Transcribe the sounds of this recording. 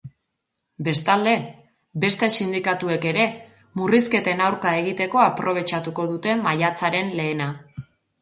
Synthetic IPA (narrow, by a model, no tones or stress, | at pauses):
be̞st̪ald̪e̞ | be̞st̪e̞sind̪ikat̪ue̞ke̞ɾe̞ | muriske̞t̪e̞nawɾkae̞ɣ̞it̪e̞ko̞apɾo̞β̞e̞t͡ʃat̪uko̞ðut̪e̞majat͡saɾe̞nle̞ːna